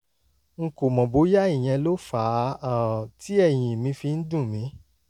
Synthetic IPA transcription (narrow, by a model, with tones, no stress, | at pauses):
ŋ̩˧ko˨mɔ̃˨bo˨˦ja˦i˦˨j̃ɛ̃˧lo˦fa˨˦a˨ti˨˦ɛ˦˨j̃ĩ˨mĩ˧fi˧n̩˦dũ˦˨mĩ˨˦